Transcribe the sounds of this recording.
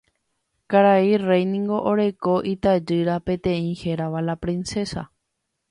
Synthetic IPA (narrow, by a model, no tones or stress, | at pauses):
kaɾairejnĩŋɡo̞ʔoɾe̞ko̞ʔit̪ad͡ʒɨɾapẽ̞t̪ẽ̞ĩhe̞ɾaʋalapɾĩnse̞sa̰